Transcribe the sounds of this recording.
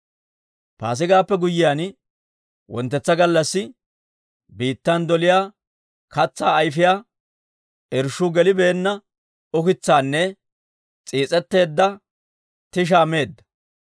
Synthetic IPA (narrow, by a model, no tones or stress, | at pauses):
pa̰ːs̬ɪɡaːpːɛɡʊjːɪjaːn | wɔ̰nt̪ːɛt͡sːɐɡɐlːɐsːɪ | biːt̪ːɐnd̪ɔlɪjaː | kɐt͡sːaːjfɪjaː | ʔɛɾʃʊɡɛlɪbeːnːɐ | ʊkɪt͡sːaːnːɛ | t͡sʼiːt͡sʼɛt̪ːe̞ːd̪ːɐ | t̪ɪʃ̬aːme̞ːd̪ːɐ̥